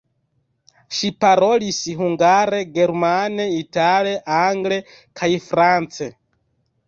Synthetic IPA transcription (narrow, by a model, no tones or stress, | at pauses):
ʃipaɾɔlisiɦuŋɡaɾɛɡɛɾmanɛitalɛʔaŋɡlɛ | kʰaifɾant͡sɛ